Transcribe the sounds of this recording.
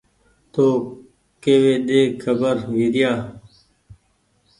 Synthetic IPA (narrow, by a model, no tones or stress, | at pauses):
t̪oː | keːweːɗ̪eːkʰəbəɾʋid̪jaː